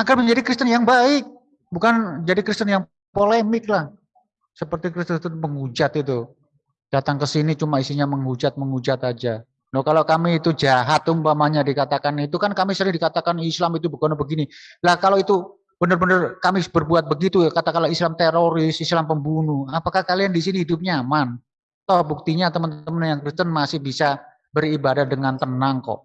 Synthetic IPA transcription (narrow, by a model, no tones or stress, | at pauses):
aɡarməɲd͡ʒadikɾist̪ənjaŋbaɪk̚ | bukand͡ʒadikɾist̪ənjaŋ | polemɪk̚lah | səpərt̪ikɾist̪ʊst̪uməŋud͡ʒat̪it̪̬u | d̥at̪aŋkəsinit͡ʃumaisiɲaməŋud͡ʒat̪̚məŋud͡ʒat̪ad͡ʒa | nohkalokamiːt̪ud͡ʒaɦat̪ːʊmbamaɲadikat̪akanit̪ukankamisəɾɪŋdikat̪akanislamit̪ubəɡonobəɡinilahkaloit̪u | b̥ənərbənərkamib̥ərbuat̪̚bəɡit̪ukat̪akalaislamt̪eɾoɾɪsislampəmbunuapakahkaliandisiniɦidup̚ɲaman | t̪ɔhbuk̚t̪iɲat̪əmənt̪əmənjaŋkɾist̪ənmasɪhbisa | bəribadahdəŋant̪ənaŋkɔ̰ʔ